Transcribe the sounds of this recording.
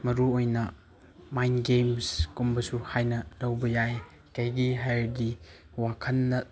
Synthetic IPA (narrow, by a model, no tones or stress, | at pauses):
mɐɾuojnɐ | majnɡemskumbɐsuhajnɐlɐwbɐjaj | kɐjɡiɦajɾdi | wakʰɐnːɐ